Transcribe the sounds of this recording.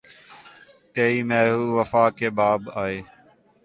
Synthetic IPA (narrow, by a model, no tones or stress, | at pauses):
t̪eːiːmɛːɦuːʋəfaːkeːbaːbaːɦeː